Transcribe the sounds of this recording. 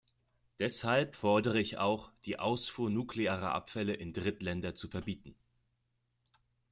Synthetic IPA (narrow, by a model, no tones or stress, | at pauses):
d̥ɛshalpfɔɐdəʁəɪça̰ʊxd̥iːʔa̰ʊsfuːɐnuːkleaːʁɐ̰ʔa̰pfɛləʔɪndʁɪtlɛndɐt͡sufɛɐbiːtn̩